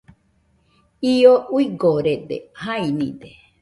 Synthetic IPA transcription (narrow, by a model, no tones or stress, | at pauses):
iouiɡoɾed̪ḛhainḭ̃d̪e